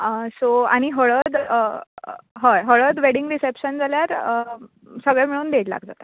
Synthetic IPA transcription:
əsoa̰ɽ̃iɦəɭəd̪ə | ɦəɦəɭəd̪ʋeɽiŋɡɾisepɕənd͡zaljaɾ | səɡɭamiɭuːnd̪eʈla̰ɡd͡za̰t̪a

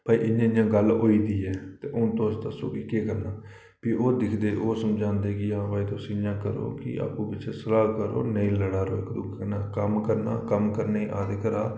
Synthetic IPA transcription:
paːiʔɪjãːjãːɡəloːiːd̪iːɛːt̪eːʔʊ̃ːt̪oːst̪aːso̰ːkiːkeːkəɾnaː | piːʔoːd̪ɪkʰd̪eːʔoːsəmd͡ʒãːnd̪eːkɪãːpaːiːt̪õːsɪjãːkəɾo̰ːkɪ̰a̰ːpũːbɪt͡ʃsəlaːkəɾo̰ːnəĩːləɽaːɾo̰ːɪkd̪ʊkʰənaːkəmkəɾna̰ːkəmkəɾneiːʔaːd̪eːkəɾaː

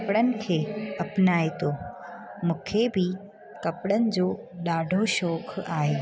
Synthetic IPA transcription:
pɽənɪ̆kʰeːɐpnaːet̪oːmũːkʰebɪ | kɐpɽənɪ̆d͡ʑoː | ɗaːɖʱoʃɔːkʰaːɦeː

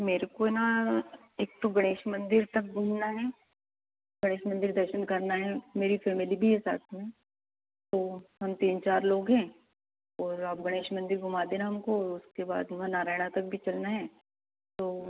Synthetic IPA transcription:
meːɾekoena | eːk̚t̪oɡɐɽ̃eːʃmɐ̃nd̪ɪɾt̪ɐk̚ɡʱumnaɦɛː | ɡɐɽ̃eːʃmə̃nd̪ɪɾd̪ɐɾʃənkɐɾnaɦɛmeːɾifɛːmɪlibʱiɦɛsa̰ːt̪ʰmẽ | t̪oːɦɐmt̪iːnt͡ʃaːɾloːɡɦɛ̃ː | ɔːɾaːp̚ɡɐɽ̃eːʃmɐ̃nd̪ɪɾɡʱʊmaːd̪eːnaɦɐmkoɔːɾʊskeba̰ːd̪ɦmanaːɾaːɪɽ̃at̪ɐk̚bʱit͡ʃɐlnaɦɛ̃ː | t̪oː

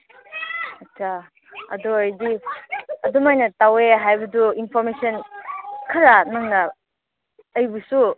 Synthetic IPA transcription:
at͡ʃʰa | ɐ̰duajdi | ɐdumajnɐtaweɦajbɐduinpʰɔɾmesənkʰɐɾanaŋnaː | jbusu

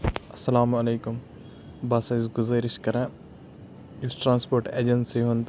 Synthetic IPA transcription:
ɐsɐlaːmɐleːkʊm | baːsɐzɡʊzɐːɾiʃkɐɾɛ̃ | jusʈɾãːnspoːɾʈḛːd͡ʒɐnsiɦõnt̪

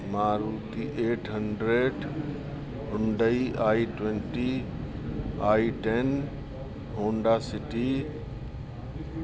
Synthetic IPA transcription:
maːɾuːt̪iʔeːʈʰɦəɳɖɾeːɖ | ɦʊɳɖəiʔaːiʈwẽɳʈi | aːiʈen | ɦõːɳɖasɪʈi

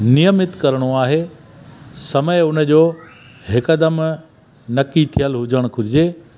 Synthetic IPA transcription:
nijəmɪt̪kɐɾɽ̃oaːɦe | sɐməjʊnə̆d͡ʑoːɦɪkəd̪əm | nɐkit̪ʰijəlɦʊd͡ʑəɽ̃kʰʊɾɪd͡ʑeː

